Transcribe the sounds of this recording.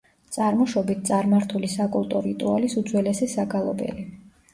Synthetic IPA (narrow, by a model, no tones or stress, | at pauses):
t̪sʼaɾmɔʃɔbit̪̚ʰt̪sʼaɾmaɾt̪ʰulisakʼulˠt̪ʼɔɾit̪ʼualisud̪zwɛlɛsɛsaɡalˠɔbɛ̰li